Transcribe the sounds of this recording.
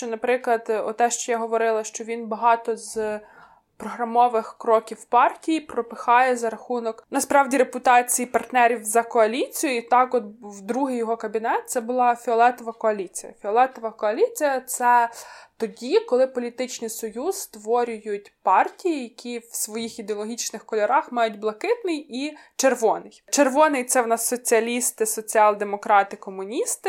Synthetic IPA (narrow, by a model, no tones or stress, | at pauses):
ʃt͡ʃɔnɐpɾɪklˠɐd̪ɔt̪ɛʃt͡ʃɔjaɦɔʋɔɾɪlˠɐʃt͡ʃɔʋʲinbɐɦɑt̪ɔz | pɾɔɦɾɐmɔʋɪxkɾɔkʲiwpɑrtʲijipɾɔpɪxɑjɛzɐɾɐxunɔknɐspɾɑwdʲiɾepʊt̪ɑt͡sʲijipɐrt̪nɛɾʲiwzɐkɔɐlʲit͡sʲijʊit̪ɑkɔt̪̚wd̪ɾuɦɪjɔɦɔkɐbʲinɛt̪̚t̪sɛbʊlˠɑfʲɪɔlˠɛt̪ɔʋɐkɔɐlʲit͡sʲijɐ̰fʲiɔlˠɛt̪ɔʋɐkɔɐlʲit͡sʲijɐt̪sɛt̪ɔdʲikɔlˠɪpɔlʲit̪ɪt͡ʃnɪjsɔjuzst̪ʋɔɾʲʊjʊtʲpɑrtʲijijɐkʲiwsʋɔjixid̪eɔlˠɔɦʲit͡ʃnɪxkɔlʲɔɾɑxmɑjʊdʲblˠɐkɪt̪nɪjit͡ʃerʋɔnɪjt͡ʃerʋɔnɪjt̪sɛwnɑsːɔt͡sʲiɐlʲist̪ɪsɔt͡sʲiɑlˠd̪emɔkɾɑt̪ɪkɔmʊnʲist̪ɪ